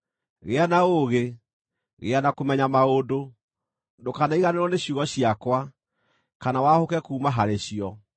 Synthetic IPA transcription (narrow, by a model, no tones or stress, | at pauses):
ɣeanaoɣe | ɣḛanakomɛɲamaodo | dokanaiɣaneɾwɔneɕjuɣɔɕiakwa | kanawahokɛkuːmaɦaɾeɕiɔ